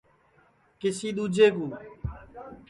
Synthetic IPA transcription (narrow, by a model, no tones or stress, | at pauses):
kɪsiːɗ̪uːd͡ʒeːk̬uː